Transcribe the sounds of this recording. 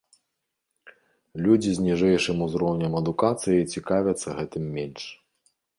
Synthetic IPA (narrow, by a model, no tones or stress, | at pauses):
lʲud͡zʲizʲnʲiʐɛjʂɨmuzɾɔwnʲɐmɐd̪ukat̪sɨjɐjt͡sʲikavʲɐt̪sːɐɣɛt̪ɨmːʲɛnʲʂ